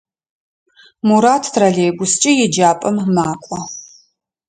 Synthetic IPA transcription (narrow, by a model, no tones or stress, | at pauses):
muɾaːtʰtʰrɐɮeːɡʷʊst͡ʃʼɪjɪd͡ʒaːpʼɐmmaːkʷʼɔ